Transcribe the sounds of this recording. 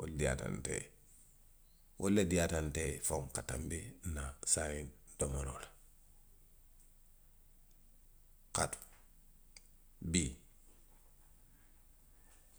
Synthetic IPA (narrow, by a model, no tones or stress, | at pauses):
wo̰ldija̰ta̰ntḛ | wʔolːedijatantefoŋkata̰mbinasaŋin | domaɾola | katu̥ | bi